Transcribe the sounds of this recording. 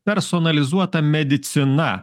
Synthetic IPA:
pʲɛɾsɔnɐlʲɪzuɔt̪ɐmʲɛd̪ʲɪt̪sʲɪnɐ

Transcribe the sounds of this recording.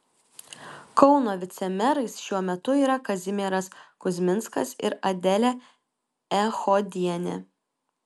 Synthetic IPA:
kɔʊnoːʋʲɪt̪sʲɛmʲɛɾɐɪsʃʲuɔmʲɛt̪ʊiːɾɐkɐzʲɪmʲeɾɐskʊzʲmʲɪnskɐ̰sɪ̰ɾɐd̪ʲɛlʲɛ | ɛxɔd̪ʲiɛnʲɛ̰

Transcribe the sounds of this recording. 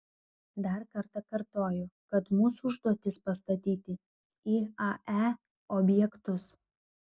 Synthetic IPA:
d̪ɐɾkɐɾt̪ɐkɐɾt̪oːjʊkɐt̪muːsuʊʒd̪uɔt̪ʲɪspɐst̪ɐt̪ʲiːt̪ʲɪ | iːɐʔæ | ɔbʲjɛkt̪ʊs

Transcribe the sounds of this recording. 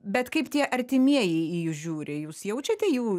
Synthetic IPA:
bʲɛt̪kɐɪpt̪ʲiɛʔɐɾʲt̪ʲɪmʲiɛjɛɪijʊʒʲuːɾʲɪjuːsjɛʊt͡ʃʲɛt̪ʲɛjuː

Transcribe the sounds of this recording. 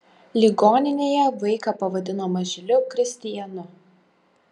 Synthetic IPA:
lʲiɡoːnʲɪnʲeːjɛʋɐɪkɐpɐʋɐd̪ʲɪnoːmɐʒʲɪlʲʊkɾʲɪsʲt̪ʲɪjɛnʊ

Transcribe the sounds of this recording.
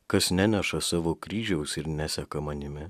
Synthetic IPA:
kɐsnʲænʲɛʃɐsɑːʋoːkɾʲiːʒʲɛʊsɪɾnʲæsʲɛkɐmɐnʲɪmʲɪ

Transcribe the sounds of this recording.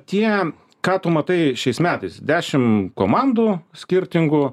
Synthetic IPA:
t̪ʲiɛ | kɑːt̪ʊmɐt̪ɐɪʃʲɛɪsmʲæːt̪ɐɪsd̪ʲæːʃʲɪmkoːmɑnd̪uːsʲkʲɪɾʲt̪ʲɪŋɡʊ

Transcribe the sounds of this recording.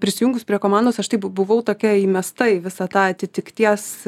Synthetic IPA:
pʲɾʲɪsʲɪjuŋɡʊspʲɾʲiɛkoːmɑnd̪oːsɐʃt̪ɐɪpbʊʋɐʊt̪oːkʲɛiːmʲɛst̪ɐɪʋʲɪsɑt̪ɑːɐt̪ʲɪt̪ʲɪkt̪ʲiɛs

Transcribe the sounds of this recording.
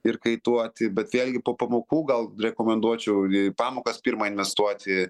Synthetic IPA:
ɪrkɐɪt̪uɔt̪ʲɪbʲɛt̪ʋʲeːlʲɡʲɪpoːpɐmoːkuːɡɐlˠɾʲɛkoːmʲɛnd̪uɔt͡ʃʲɛʊpɑːmoːkɐspʲiːɾmɐɪnʲʋʲɛst̪uɔt̪ʲɪ

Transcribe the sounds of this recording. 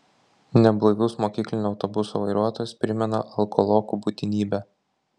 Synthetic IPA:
nʲɛblˠoʋʲʊsmoːkʲiːklʲɪnʲuɐʊt̪ɔbʊso̰ʋɐɪɾuɔt̪oːjʊspʲɾʲɪmʲɛnɐʔɐlˠkɔlˠoːkubut̪ʲɪnʲiːbʲɛ

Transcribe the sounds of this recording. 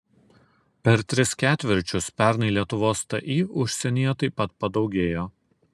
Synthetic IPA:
pʲɛɾt̪ʲɾʲɪskʲæːt̪ʲʋʲɪɾʲt͡ʃʲʊspʲæˑɾnɐɪlʲiɛt̪ʊʋoːst̪ɐʔiːʊʃʲsʲɛnʲijɛt̪ɐɪpːɐt̪̚pɐd̪ɒʊɡʲeːjoː

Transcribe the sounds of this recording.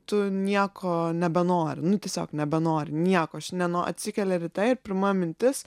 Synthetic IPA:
t̪ʊnʲiɛkʰoːnʲɛbʲɛnoːɾʲɪnʊtʲiɛsʲoːknʲɛbʲɛnoːɾʲɪnʲiɛkoːɐʃnʲɛnoːɐ̰t̪ʲsʲɪkʲɛlʲɛɾʲɪt̪ɐɪɪɾpʲɪmɐmʲɪnʲt̪ʲɪs

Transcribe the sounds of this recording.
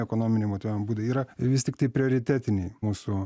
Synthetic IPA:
ɛkoːnoːmʲɪnʲeɪmoːt̪ʲoʋʲɛmbuːd̪ɐʋiːɾɐʋʲɪsʲt̪ʲɪkt̪ɐɪpʲɾʲɪoːɾʲɪt̪ʲæːt̪ʲɪnʲeːmuːsu

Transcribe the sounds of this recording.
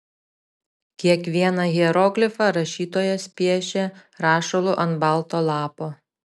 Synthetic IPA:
kʲiɛkʋʲiɛnɐɣʲiɛɾoːɡlʲɪfɑɾɐʃʲiːt̪oːjɛsʲpʲiɛʃʲeɾɑːʃɔlˠʊʔɐnbɑˑlˠˑt̪oːlˠɑːpoː

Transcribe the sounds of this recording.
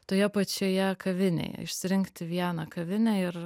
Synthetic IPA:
t̪oːjɛpɐt͡ʃʲoːjɛkʰɐʋʲɪnʲḛjɛ̰ɪʃʲsʲɪɾʲɪŋkt̪ʲɪʋʲiɛnɐkɐʋʲɪnʲæɪɾ

